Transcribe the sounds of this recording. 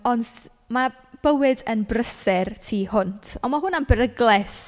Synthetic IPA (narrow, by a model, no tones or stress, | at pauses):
ɔnd | ma | b̥əwɪdənbrəsɛrtʰiːhʊntʰɔmaɦʊnambəɾəɡlˠɛs